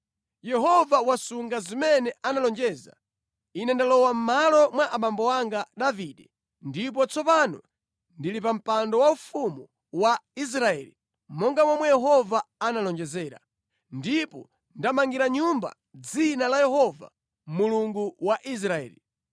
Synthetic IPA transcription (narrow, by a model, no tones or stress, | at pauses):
jɛɦɔvawasuŋɡazimɛnɛʔanalɔnd͡ʒɛza̰ | inɛndalɔwam̩malɔmwaʔaɓambɔwaŋɡaɗaviɗɛ | ndip̬ɔt͡sɔpanɔ | ndilipam̩pandɔwaufumu | wais̬ɾaɛ̰ːli | mɔŋɡamwamwɛjɛɦɔvaanalɔnd͡ʒɛzɛːɾa̰ | ndipɔ | ndamaŋɡiɾaɲumba̰ | d͡zinalajɛɦɔva̰ | muluŋɡuwaʔis̬ɾaɛ̰ːli